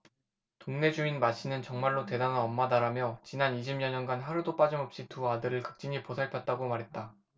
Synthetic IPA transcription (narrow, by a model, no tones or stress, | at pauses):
toŋne̞d͡ʑuinmaɕ͈ʰinɯnt͡ɕʌŋmaɭːote̞dananʌmːadaɾamjʌt͡ɕinaniɕ̬ʰimɲʌɲʌnɡanɦaɾudop͈ad͡ʑimʌp̚ɕ͈ituadɯɾɯɭkɯ̥k̚t͡ɕ͈iɲiposʰaɭpʰjʌt̚t͈aɡomaɾɦe̞t̚t͈a